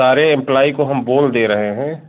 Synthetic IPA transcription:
aːɾeɪ̃mplaːikoɦɐmboːld̪eːɾɐɦeɦɛ̃ː

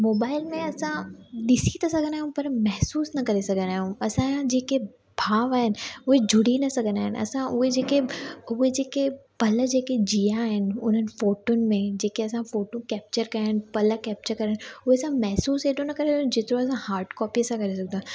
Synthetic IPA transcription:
moːbaːɪlmẽɐsãɗɪsit̪ɐsɐɡʱə̃nd̪aːɦjũpɐɾmɛɦsuːsnɐkɐɾesɐɡʱə̃nd̪aːɦjũɐsãd͡ʑeːke | bʱaːʋaːɦɪnɪ̆ʊɦed͡ʑʱʊɽ̤inɐsɐɡʱənaːɦɪnɐ̰sãʔʊɦed͡ʑeːkeʊɦed͡ʑeːkepɐlə̆d͡ʑeːked͡ʑijaɦɪnɪ̆ʊn̤ənɪ̆foːʈʊnɪ̆mẽd͡ʑeːkeɐsãfoːʈõkɛːp̚t͡ɕəɾkɐjnɪ̆pɐləkɛːp̚t͡ɕəɾkɐɾənʊɦesãmɛɦsuːseːɗonɐkɐɾesũd͡ʑeːt̪ɪɾõɐsãhaːɾɖkɔːpisãkɐɾes̬ɐɡʱənãː

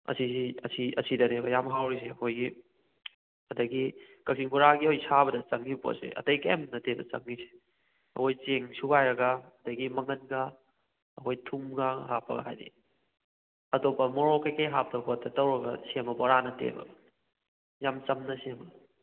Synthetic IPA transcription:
ɐ̰sisiɐsiɐsidɐnebɐjamɦawɾis̬eɐhʰojɡi | ɐdɐɡikɐsʰiŋbuɾaɡihojsabɐdɐt͡ʃɐŋnipo̰sḛɐ̰tɐjkɐemnɐtebɐt͡ʃɐ̰ŋnise̥ | ɐ̰hojt͡ʃeŋsubajɾɐɡɐɐdɐɡimɐŋɐnɡɐː | hojtʰumɡaɦapːɐ̰ɡɐ̰ɦa̰jdḭ | ɐtopːɐmɔɾokɐjkɐjɦap̚tɐwbɐtːɐtɐwɾɐɡɐ̰semɐbɐɾanɐtḛbɐ̰ɡɐ | jamt͡ʃɐmnɐsembɐ

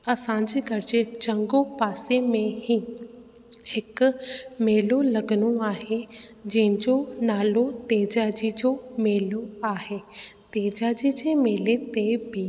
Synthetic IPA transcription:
əsãːɲd͡ʒɡəɾd͡ʒt͡ʃə̃ŋɡoːpaːsemẽɦiː | ɪkmeːloləɡnoaːɦed͡ʒɪ̃d͡ʒoːnaːlõːt̪eːd͡ʒaːd͡ʒiːd͡ʒoːmeːloːaːɦeːt̪eːd͡ʒaːd͡ʒiːd͡ʒeːmeːlet̪ebiː

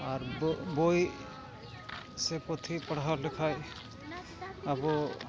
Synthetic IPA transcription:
aɾboj | sɛpɔt̪ʰipaɽ̤ɦawlɛkʰaj | abɔ

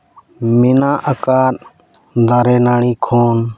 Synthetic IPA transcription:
mɪnãːʔəkaːɾ | d̪ʱaːɾeːnaːɳiːkʰoːn

